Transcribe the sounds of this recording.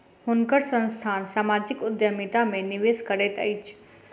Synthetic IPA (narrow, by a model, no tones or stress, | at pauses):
hʊnkəɾsə̃nst̪ʰaːnsamad͡ʒɪkʊd̪jəmit̪amẽnɪʋeskəɾet̪ə̰it͡ʃʰ